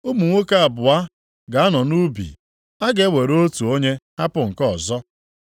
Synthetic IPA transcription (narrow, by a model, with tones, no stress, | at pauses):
u˦mu˨ŋʷo˦ka˦a˨bʊ˨a˦ | ɡa˨a˦nɔ˨nu˦bḭ˨ | a˦ɡe˦we˨ɾo˦tu˨o˦ɲe˦ha˦pʊ˦˨ŋ̩˨kɔ˨zɔ˦